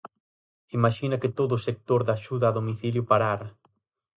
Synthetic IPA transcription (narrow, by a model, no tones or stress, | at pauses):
imaʃinɐkɪt̪oðʊːsek̚t̪oɾðaʃuðɐaːðomiθiljʊpaɾaɾɐ